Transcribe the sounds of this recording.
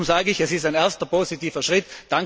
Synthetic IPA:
mzaːɡəɪçɛsɪstaɪneːɐstəpoːsitiːfɐʃʁɪtd̥aŋ

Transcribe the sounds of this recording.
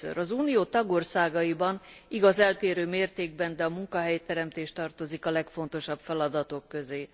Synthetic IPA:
ø̰ɾʔɒzuːnijoːt̪ɒɡo̞rsaːɡɒibɒniɡɒzɛlt̪eːɾøːmeːrt̪eːɡ̚bɛnd̪ɛɒmuŋkɒɦɛjt̪ɛɾɛmt̪eːʃt̪ɒrt̪o̞zikɒlɛkfo̞n̪t̪o̞ʃɒbfɛlɒd̪ɒt̪o̞kːøzeː

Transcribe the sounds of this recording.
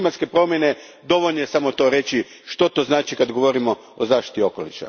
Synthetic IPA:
mat̪ske̞pɾo̞mje̞ne̞ | d̪o̞ʋoʎnojesamo̞t̪o̞ːɾe̞t͡ɕi | ʃt̪o̞t̪oːznaːt͡ʃikad̪ɡo̞ʋo̞ɾimo̞ | ozaːʃt̪i̥t̪io̞kolḭʃa̰

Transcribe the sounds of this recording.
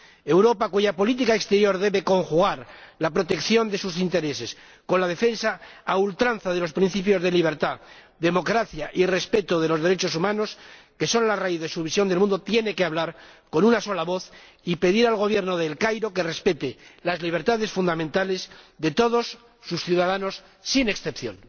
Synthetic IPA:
e̞wɾo̞pakuʝapo̞lit̪ikaekst̪eɾjo̞ɾðe̞βe̞ko̞ŋxuɣ̞aɾlapɾo̞t̪e̞kθjo̞nd̪e̞susint̪e̞ɾe̞se̞s | ko̞nlað̞e̞fe̞nsaːult̪ɾanθaðe̞lo̞spɾin̟θipjo̞zðe̞liβ̞e̞ɾt̪a | ðe̞mo̞kɾaθjaʔire̞spe̞t̪oð̞e̞lo̞zð̞e̞ɾet͡ʃo̞sumãnoske̞so̞nlaraiθðe̞suβisjo̞nd̪e̞lmũnd̪o̞t̪je̞ne̞keaβlaɾko̞nunaso̞laβo̞θ | ipe̞ðiɾalɣo̞β̞je̞ɾnoðelkajɾo̞ke̞re̞spe̞t̪elazliβ̞e̞ɾt̪aðe̞sfund̪amẽnt̪ale̞sðe̞t̪o̞ð̞o̞sː | usθjuðaðano̞sː | ine̞ksθe̞pθjo̞̰n

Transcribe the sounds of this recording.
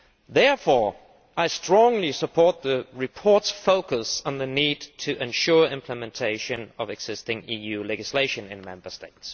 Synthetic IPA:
ðɛɹfɔɹ | ʔaɪstɹ̥ɔ̃ŋlisəpʰɔɹt̪̚ðɨɹɨpʰɔɹtsfoʊkəsn̩ðɨnidtʰɨʔɨ̃nʃʊɹɪ̃mpʰləmɛ̃ntʰeɪʃɨ̃nʌvɨɡz̥ɪstɪ̃ŋijʉlɛd͡ʒɨsleɪʃɨ̃nɨ̃nmɛ̃mbə˞steɪts

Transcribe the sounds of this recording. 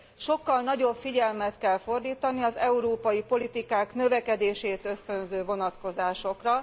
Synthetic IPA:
ʃo̞kːɒlnɒɟo̞bfiɟɛlmɛt̪kɛlfo̞rd̪iːt̪ɒniɒzɛuɾoːpɒjipo̞lit̪ikaːknøvɛkɛd̪eːʃeːt̪ø̞st̪ø̞nzøːvo̞nɒt̪ko̞zaːʃo̞krɒ

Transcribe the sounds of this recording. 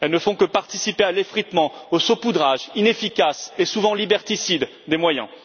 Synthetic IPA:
ɛlnəfɔ̃kəpaʁt̪isipealefχit̪mɑ̃osopud̪ʁaʒinefikʲasesuvɑ̃libɛʁt̪isid̪ | d̪emwajɛ̰̃

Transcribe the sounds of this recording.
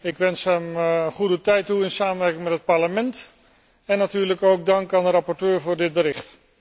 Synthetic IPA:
ɪkʋɛnsɦɛmχudətɛjtuɪnsaːmənʋɛɹkɪŋmɛtɦət̚pɑɹləmɛnt | ɛnːatyːɹləkowɡ̚dɑŋkaːndəɾɑpɔɹtøːɹvʊːɹdɪd̚bəɾɪχt

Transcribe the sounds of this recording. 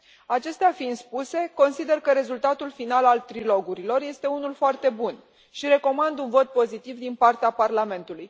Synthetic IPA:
at͡ʃe̞st̪eafinspuse̞ko̞nsid̪e̞rkəɾe̞zult̪at̪ulfinalalt̪ɾilo̞ɡuɾilo̞rje̞st̪e̞unulfoart̪e̞bun | ʃiɾe̞ko̞mand̪unvo̞t̪̚po̞zit̪ivd̪inpart̪eaparlame̞nt̪uluj

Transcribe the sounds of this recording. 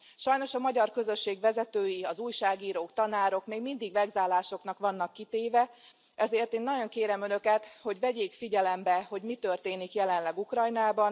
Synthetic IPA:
ʃɒjn̪o̞ʃɒmɒɟɒrkø̞zø̞ʃːeːɡʋɛzɛt̪øːjiɒzuːjʃaːɡiːɾoːkt̪ɒnaːɾo̞kmeːɡmind̪iɡʋɛɡzaːlaːʃo̞knɒkʋɒnːɒkːit̪eːvɛ | ɛzeːrt̪eːnːɒɟo̞ŋkeːɾɛmø̞nø̞kɛt̪ho̞ɟʋɛɟeːkfiɟɛlɛmbɛho̞ɟmit̪ø̞rt̪eːnikjɛlɛnlɛɡukrɒjnaːbɒn

